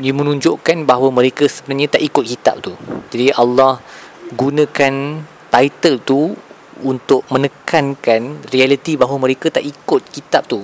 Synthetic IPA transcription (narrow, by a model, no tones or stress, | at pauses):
jəmə̃nũɲd͡ʒʊʔkanbaɦawamə̃ɾekəsəbənarɲãt̪aʔikʊt̪̚kit̪a̰p̚t̪ud͡ʒadiʔalːahɡunə̃kan | t̪ait̪əlt̪u | unt̪ʊʔ̚mə̃nəkankanrialit̪ibaɦwamə̃ɾekat̪aʔikʊt̪̚kit̪ap̚t̪u